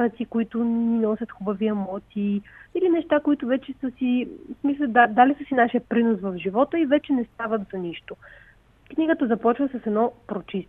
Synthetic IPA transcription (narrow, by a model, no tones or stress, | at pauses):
ɾɐt̪t̪ikoit̪ʊnninɔsʲət̪xubɐviɐmɔt̪ʲiilinɛʃt̪akoit̪ʊvɛt͡ʃɛsəsismislʲɐd̪ad̪alisəsinaʃijəpɾinosvɐfʒivɔt̪əivɛt͡ʃɛnɛst̪avət̪zɐniʃt̪o | kniɡət̪əzɐpɔt͡ʃvəsəsɛnɔpɾot͡ʃist̪